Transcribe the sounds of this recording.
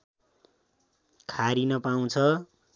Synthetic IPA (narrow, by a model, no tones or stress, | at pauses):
kʰaɾinʌpaw̃t͡sʰʌ